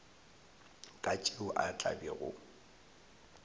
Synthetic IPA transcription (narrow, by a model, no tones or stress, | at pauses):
kʼat͡ʃʼeʊʔat͡ɬʼa̰biɣʊ̰